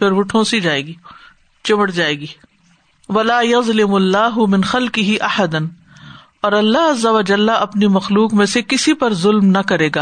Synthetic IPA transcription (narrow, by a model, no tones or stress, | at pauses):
fɪɾʋʊʈʰõːsid͡ʒaːeːɡiː | t͡ʃɪʋəɽd͡ʒaːeːɡiː | ʋɐlaːjɐzˤlɪmɐlːaːɦʊmɪ̃nxɐlqɪɦiʔɐħɐd̪ən | ɔːɾɐlːaɦɐzːɐʋɐd͡ʒɐlːaʔɐpnimɐxluːkmẽsekɪsipɐɾzʊlmnɐkɐɾeːɡaː